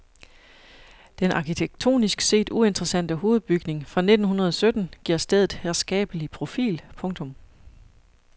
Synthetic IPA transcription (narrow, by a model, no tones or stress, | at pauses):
d̥enʔɑ̈kʰit͡sʰeɡ̥̚t͡sʰo̝̰ːnisɡ̥se̝̰ːd̥ue̝nd̥ʁɐsæn̰d̥əho̝ːð̞̩ˠb̥yɡ̥ne̝ŋfʁɑ̈ne̝d̥n̩ɦunɐð̞ˠɒsød̥n̩ɡ̥iɐ̰sd̥eð̞̰ˠð̩ˠheɐsɡ̥ɛ̰ːb̥əlipʰʁo̝fḭːlpʰɔ̽ŋt͡sʰɔ̽m